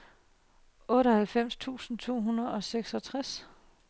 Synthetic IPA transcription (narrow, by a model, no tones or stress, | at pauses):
ɔ̽ːɾɒhælfem̰st͡sʰṵːsn̩t͡sʰo̝̰ːɦunɐð̩ˠɒ̽seɡ̥sɒ̽t͡sʰʁas